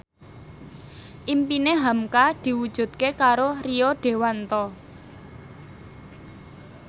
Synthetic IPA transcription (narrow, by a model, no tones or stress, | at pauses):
ʔimpineɦamkad̪̥i̤wud̥ʒ̥ṳt̪̚kekaɾoriɔɖ̥e̤want̪ɔ